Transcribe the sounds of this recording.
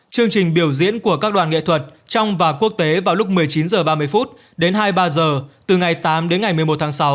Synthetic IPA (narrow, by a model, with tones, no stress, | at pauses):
t͡ɕɨ˧əŋt͡ɕï˨˩ŋ̟ɓi˧˩əwzḭ˧˥ənku˧˩əkaː˦˥k̚ɗwaː˨˩nŋḛ˧˨t̪ʰwə˨˩t̚t͡ɕɔ˧wŋ͡mvaː˨˩ku˦˥ək̚t̪e˨˦vaː˨˩wlʊ˦˥k͡p̚mɨ˨˩əjt͡ɕi˨˦nzəː˨˩ɓaː˧mɨ˧əjfu˦˥t̚ | ɗe˨˦nɦaː˧jɓaː˧zəː˨˩t̪ɨ˨˩ŋa˨˩jt̪aː˨˦mɗe˨˦nŋa˨˩jmɨ˨˩əjmo˨˩t̚t̪ʰaː˨˦ŋsa˨˦w